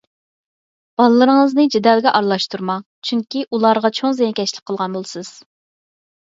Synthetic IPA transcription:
b̥ɑlˠɨlˠɨɾəŋəznɨd͡ʒed̪ɛlˠɡʲɛʔɑɾlˠɑʃt̪ʰuɾmɑ | t͡ʃʰyŋkʲiʔulˠɑɾʁɑt͡ʃʰoŋzejɛnkʲʰɛʃlɪk̚ʲqʰːəlˠʁɑnbolˠɨsɨz̥

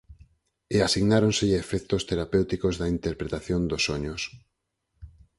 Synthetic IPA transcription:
easiɣnaɾonsɪʎefɛk̚t̪ost̪eɾapewt̪ikozðɐint̪eɾpɾet̪aθjond̪osoɲʊs

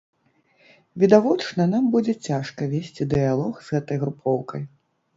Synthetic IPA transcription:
vʲid̪avɔt͡ʂnɐnambud͡zʲɛt͡sʲaʂkɐvʲesʲt͡sʲid̪ɨjalˠɔxzɣɛt̪ɐjɣɾupʰɔwkɐj

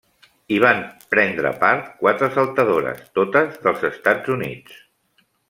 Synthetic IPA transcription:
iβ̞ampɾɛnd̪ɾə̰paɾt̪kwat̪ɾəsəlˠt̪əðoɾə̰st̪ot̪əzðəlˠzəst̪ad͡zunḭt͡s

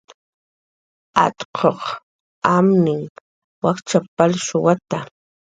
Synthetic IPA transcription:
at̪qʰoq | amnɪŋ | wakt͡ʃapalʃʊwat̪a

